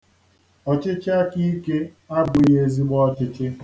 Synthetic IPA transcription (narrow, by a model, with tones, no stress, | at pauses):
ɔ˨t͡ʃɪ˦t͡ʃɪ˦a˦ki˦ke˦ | a˦ɡʷe˨je˦zi˦ɡ͡bɔ˦ɔ˦t͡ʃɪ˦t͡ʃɪ˦